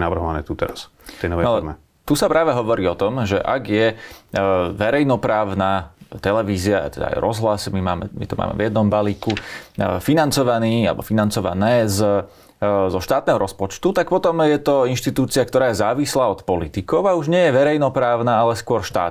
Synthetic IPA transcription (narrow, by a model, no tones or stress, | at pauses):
naʋr̩ɦɔʋanɛ̰ːt̪ut̪ɛɾas | ɛjnɔʋɛalɛɾmɛ | t̪usapɾʔaːʋɛɦɔʋɔɾiːɔt̪ɔmʒɛ̰ʔa̰ɡjɛ | ʋɛɾɛjnɔpɾaːʊnaːt̪ɛlɛʋiːziaa̰t̪ɛd̪a̰a̰jɾɔzɦlasmimaːmɛ̰mḭt̪ɔma̰ːmɛ̰vjɛd̪nɔmbaliːkufinant͡sɔʋaniːalɛ̰bɔfinant͡sɔʋa̰nɛːz | zɔʃt̪aːt̪nɛːɦɔɾɔspɔt͡ʃt̪ut̪ak̚pɔt̪ɔmjɛt̪ɔinʃt̪it̪uːt͡siakt̪ɔɾaːjɛzaːʋislaːɔt̪pɔlit̪ikɔʊauʒɲɪɛjɛʋɛɾɛjnɔpɾaːʊnaːalɛskʊɔɾʃt̪a̰ː